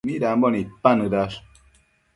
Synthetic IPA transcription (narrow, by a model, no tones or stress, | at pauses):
midam̩bɔnipanɨdas